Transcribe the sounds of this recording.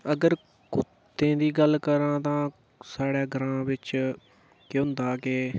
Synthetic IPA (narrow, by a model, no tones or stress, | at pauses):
əɡəɾ | kʊt̪ːẽːd̪iːɡəlkəɾãːt̪ãː | saːɽɛːɡəɾãːʋɪt͡ʃ | keɦʊ̃nd̪aːkeː